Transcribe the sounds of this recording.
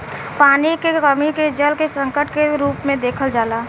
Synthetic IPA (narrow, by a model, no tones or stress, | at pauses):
paːnikekəmiked͡ʒəlkesə̃ŋkəʈkeɾuːpmẽd̪eːkʰəld͡ʒaːlaː